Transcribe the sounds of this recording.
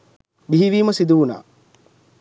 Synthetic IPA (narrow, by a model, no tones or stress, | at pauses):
biɦiʋiːmɐsid̪uuna̰ː